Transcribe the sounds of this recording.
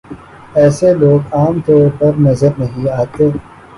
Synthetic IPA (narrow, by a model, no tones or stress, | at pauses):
ɛːseloːɡaːmt̪ɔːɾpɐɾnɐzəɾnɐɦĩaːt̪eː